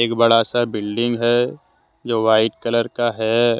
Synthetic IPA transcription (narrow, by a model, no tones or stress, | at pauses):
eːkbɐɽasabɪlɖɪ̃ŋɡɦɛ | d͡ʒoːʋaːɪʈkɐləɾkaɦɛ